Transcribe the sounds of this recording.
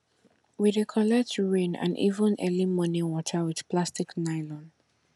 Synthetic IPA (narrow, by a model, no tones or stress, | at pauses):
widekʰɔlɛk̚tɹẽnã̰nʔḭvə̃nʔɛlimɔ̃niwɔtʰəwɪð̥pʰlastɪknaɪlɔ̃n